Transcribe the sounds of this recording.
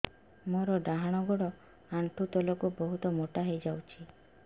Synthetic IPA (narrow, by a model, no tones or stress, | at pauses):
moɾɔɖaɦaɽ̃ɔɡɔɽɔ | aɳʈʰut̪ɔlɔkubɔɦut̪ɔmoʈaɦejd͡ʒawt͡ʃʰi